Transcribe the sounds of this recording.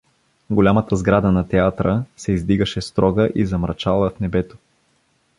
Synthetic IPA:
ɡolʲamɐt̪əzɡɾad̪ənɐt̪ɛat̪ɾəsɛizd̪iɡəʃɛst̪ɾɔɡəʔizɐmɾɐt͡ʃalˠəfnɛbɛt̪o̥

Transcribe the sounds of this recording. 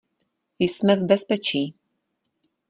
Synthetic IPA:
jsmɛvbɛspɛt͡ʃiː

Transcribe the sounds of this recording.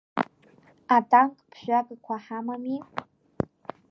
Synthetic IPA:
atʰʼaŋkʼpʰʒᶣʷakʼkʷʰaħamami

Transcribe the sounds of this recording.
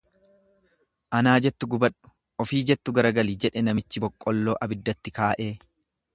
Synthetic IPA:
ʔɐnaːd͡ʒɛt̪ːʊɡʊbɐᶑʊ̥ | ʔɔfiːd͡ʒɛt̪ːʊɡɐɾɐɡɐliːd͡ʒɛᶑɛnɐmɪt͡ʃːɪbɔkʼːɔlːo̞ːʔɐbɪd̪ːɐt̪ːɪkaːʔe̞ː

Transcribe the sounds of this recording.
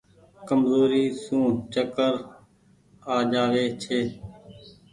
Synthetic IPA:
kəmzoːɾiːsũːt͡ʃəkəɾ | aːd͡ʒaːʋeːt͡ʃʰeː

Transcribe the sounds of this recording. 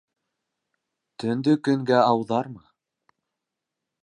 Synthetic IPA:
t̪ɵ̆nd̪ɵkɵ̆ŋɡæɑwðɑɾmɤ

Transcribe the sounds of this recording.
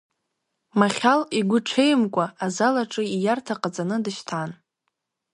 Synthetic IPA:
maχʲaliɡʷʊʈ͡ʂʰejmkʷʼaazalaʈ͡ʂʼɨijartʰaqʼad͡zʼanɨdɨʃtʰan

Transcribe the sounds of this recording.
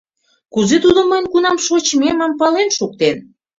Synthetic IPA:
kuzet̪ud̪ŏməjnkunɑmʃot͡ɕmemɑmpɑlenʃuk̚t̪en

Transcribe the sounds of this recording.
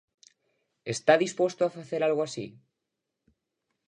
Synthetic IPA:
est̪aðispwost̪oafaθeɾalɣoasḭ

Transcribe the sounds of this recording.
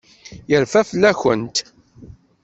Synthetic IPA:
jəɾfæflːæçə̰nt̪

